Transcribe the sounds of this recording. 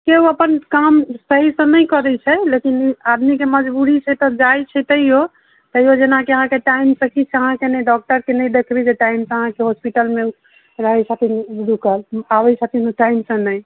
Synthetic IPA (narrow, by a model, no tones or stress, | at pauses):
keuəpənkamsəɦisə̃nəjkəɾɛt͡ʃʰɛlekinad̪mikeməd͡ʒbuɾit͡ʃʰɛt̪ɔd͡ʒajt͡ʃʰɛt̪əɦijo | t̪əijod͡ʒenãkeəɦãkeʈaimsə̃kit͡ʃʰɛəɦãkenɛɖɔk̚ʈəɾkenəjd̪ekʰbid͡ʒeʈaimsə̃əɦãkeɦospiʈəlme | ɾəɦɛsʰat̪ʰind̪ukəlawɛsat̪ʰinʈaimsə̃nəj